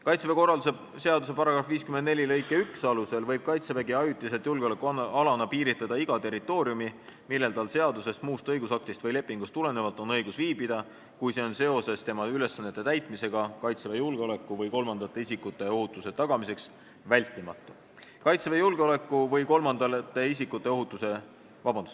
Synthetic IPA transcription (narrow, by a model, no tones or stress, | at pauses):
kɑjt̪sevekorɑse | se̞ɑd̪us̬e̞pɑɾɑɡ̥ɾɑfviːskymend̪ne̞lʲilɤjkːˑeyksɑluse̞lvɤjb̥̚kɑjt̪seveɡiɑjut̪ːˑiselt̪julɡ̥eole̞kːˑuɑlɑnɑpiːɾit̪led̪ɑiɡ̥ɑt̪e̞rit̪ːˑo̞ːɾiumimilːe̞lt̪ɑlse̞ɑd̪use̞st̪muːst̪ɤjɡusɑk̚t̪ist̪vɯjle̞pːˑiŋɡ̥ust̪ːule̞ne̞vɑlt̪ːˑo̞nɤjɡ̥usviːbid̪̥ɑ | kujse̞o̞nse̞o̞se̞st̪e̞mɑyle̞sːɑnːet̪ːet̪æjt̪ˑmise̞ɡ̥ɑkɑjt̪sevejulɡ̥eo̞le̞kːˑuvɤjko̞lmɑnd̪ɑt̪ːˑe̞isikːut̪ːˑe̞o̞ɦut̪ːˑuse̞t̪ɑɡ̥ɑmise̞ks | vælʲt̪ːˑimɑ̰t̪ˑːu | kɑjt̪sevejulɡ̥eo̞le̞kːˑuvɤjko̞lmɑnd̪̥ɑlt̪ːˑe̞isikut̪ːˑe̞o̞ɦut̪ːˑuse̞ | vɑbɑnd̪us